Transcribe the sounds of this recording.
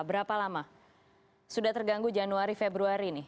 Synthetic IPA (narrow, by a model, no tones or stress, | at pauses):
bəɾapalama | sudat̪ərɡaŋɡud͡ʒanuaɾifebɾuaɾini